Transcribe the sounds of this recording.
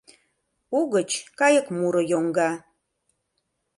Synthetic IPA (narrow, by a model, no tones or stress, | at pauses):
uɣət͡ʃʰkajəkmuɾəjoŋɡa